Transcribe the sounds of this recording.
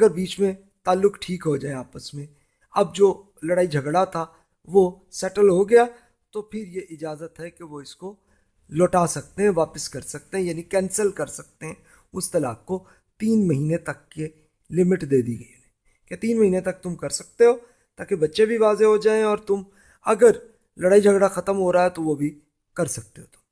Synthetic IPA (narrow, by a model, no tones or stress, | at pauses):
ɐɡəɾbiːt͡ʃmẽ | t̪aːlːʊkʈʰiːkɦod͡ʒaːeaːpəsmẽ | ɐb̚d͡ʒoː | lɐɽaːid͡ʒʱɐɡɽat̪ʰa | ʋo | sɛʈəlɦoɡɐja | t̪opʰɪɾjeʔɪd͡ʒaːzət̪ɦɛkeʋoɪsko | lɔːʈaːsɐk̚t̪eɦɛ̃ʋaːpəskɐɾsɐk̚t̪eɦɛ̃jaːnikɛ̃ːnsəlkɐɾsɐk̚t̪eɦɛ̃ | ʊst̪ɐla̰ːk̚ko | t̪iːnmɐɦiːnet̪ɐkːe | lɪmɪʈd̪eːd̪iɡɐiɛː | ket̪iːnmɐɦiːnet̪ɐk̚t̪ʊmkɐɾsɐk̚t̪eɦoː | t̪aːkebɐtːʃebʱiʋaːzeɦod͡ʒaːẽɔːɾt̪ʊm | ɐɡəɾ | lɐɽaːid͡ʒʱɐɡɽaxɐt̪əmɦoːɾaːɦɛt̪oʋobʱi | kɐɾsɐk̚t̪eɦoːt̪ʊ̥m